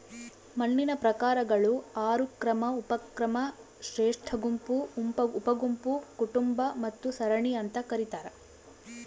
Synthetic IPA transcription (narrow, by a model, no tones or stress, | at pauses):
mɐɳːinɐpɾɐkaːɾɐɡɐɭuaːɾukɾɐmɐupɐkɾɐmɐ | ʃɾeːʂʈʰɐɡumpumpɐːpɐɡumpukuʈumbɐmɐt̪ːusɐɾɐɳiɐnt̪ɐkɐɾit̪aːɾɐ